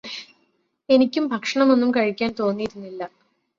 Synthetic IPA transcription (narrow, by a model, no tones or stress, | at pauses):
e̞nikʲːumbʱɐkʂɐɳɐmo̞nːumkɐɻikʲːaːnt̪o̞ːnːijiɾunːilːɐ